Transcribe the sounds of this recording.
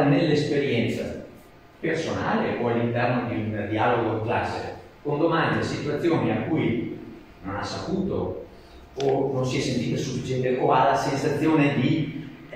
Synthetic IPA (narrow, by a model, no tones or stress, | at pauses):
nelːespeɾjɛnt̪sa̰ | persona̰ːleʔoalːint̪ɛrnod̪eld̪ialoɡoikla̰sːḛ | kond̪omand̪esit̪uat̪sːjoːniakuj | nona̰sːapuːt̪o̰ | ononsiɛsːent̪iːt̪osufːit͡ʃɛnt̪eʔoalːasensat̪sːjoːned̪i